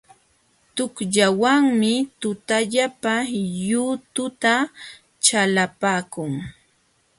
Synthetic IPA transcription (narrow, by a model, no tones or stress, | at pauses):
t̪ʊkʎawaŋmɪt̪ʊt̪aʎapajʊt̪ʊt̪a | t͡ʃalapaːkʊŋ